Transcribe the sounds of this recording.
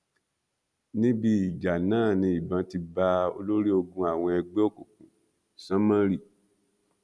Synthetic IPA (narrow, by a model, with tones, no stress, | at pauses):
nĩ˦bi˧i˨d͡ʒa˨nãː˦˨nĩ˧i˨bã˨˦ti˧ba˧o̰˧lo˦ɾi˦o˧ɡũ˧a˨w̃ɔ̃˧ɛ˧ɡ͡be˦o˦˨ko˨kũ˨ | sã˦mã˦ɾi˦˨